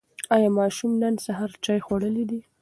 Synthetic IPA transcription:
ɑjɑmɑʃumnənsaɦɑɾt͡ʃɑjxwaɽəlid̪i

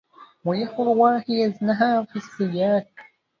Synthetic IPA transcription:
wajaħʊɾwaːħijaznaɦaːfisːɪjaːk

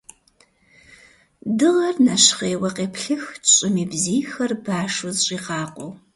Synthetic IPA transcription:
dɨʁɐrnaɕχeːwɐqʼeːpʰɬɨxɕʼɪmiːbziːxɐrbaːʂʊzɕʼiːqɑːqʷʼow

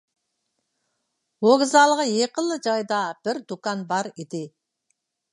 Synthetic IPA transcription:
woɡzɑlˠʁəjeqəlˠːəd͡ʒɑjd̪ɑb̥ɪɾd̪ukɑnbɑɾid̪ɪ

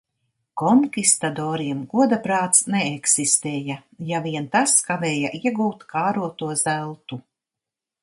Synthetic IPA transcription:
kɔŋkʲist̪ad̪ɔːɾiɛmɡuɔd̪apɾaːt̪snɛːksist̪ɛːjajaviɛnt̪askavɛːjaʔiɛɡuːt̪kaːɾuɔt̪uɔzælˠt̪u

